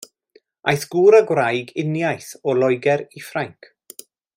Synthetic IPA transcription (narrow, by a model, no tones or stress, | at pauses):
ʔajθɡ̥uːɾəɡwrajɡɪnjajθɔlˠɔjɡɛɾifraŋkʰ